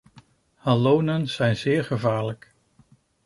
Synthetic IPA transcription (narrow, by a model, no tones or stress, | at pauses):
halownənz̥ɛjnzɪːɹχəvaːɹlək